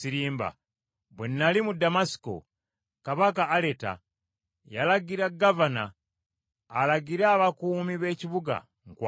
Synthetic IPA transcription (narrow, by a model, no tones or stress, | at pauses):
iɾiːmba̰ | bwenːalimudamasi̥ko̰ | kaβakaːleta̰ | jalaɡiɾaɡavana̰ː | laɡiɾaaβakuːmiβe̞ciβuɡa̰ | ŋkw